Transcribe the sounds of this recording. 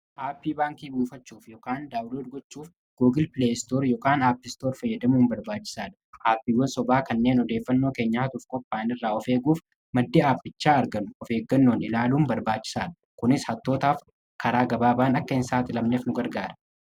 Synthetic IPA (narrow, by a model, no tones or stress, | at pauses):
ʔaːpːiːbaːŋkiːbuːfɐt͡ʃːuːfjɔkaːnd̪aːwloːd̪ɡɔt͡ʃːuːf | ɡ̥uːɡɪlpɪleːst̪oːɾjɔkaːnaːpːɪst̪o̞ːɾfɐjːɐd̪ɐmuːmbɐɾbaːt͡ʃːɪ̥saːᶑ̪ɐ̥ʔaːpːiːwɐnsɔbaːkɐnːe̞ːnɔd̪e̞ːfːɐnːo̞ːke̞ːɲːaɐt̪ʊfkʼɔpːaːnɪrːaːɔfe̞ːɡuːf | mɐd̪ːiːaːfːɪt͡ʃːaːɐɾɡɐnʊɔfe̞ːɡːɐnːo̞ːnɪlaːluːmbɐɾbaːt͡ʃːɪ̥saːᶑ̪ɐ | kʊnɪshɐt̪ːoːt̪aːf | kɐɾaːɡɐbaːbaːnɐkːɐɪnsaːt̪ɪlɐmneːfnʊɡɐɾɡaːɾɐ̥